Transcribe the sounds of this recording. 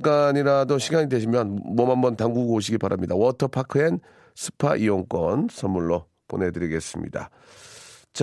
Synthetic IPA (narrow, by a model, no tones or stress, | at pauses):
k͈aɲiɾadoɕʰiɡaɲidwe̞ɕ̬ʰimjʌnmʌmambʌntaŋɡuɡooɕʰiɡipaɾamɲidawʌtʰʌpʰakʰɯen | sʰɯ̥pʰa̰ʔiwʌŋk͈wʌnsʰʌmːuɭːo | po̰ne̞dɯɾiɡe̞s͈ɯmɲḭda̰ | t͡ɕ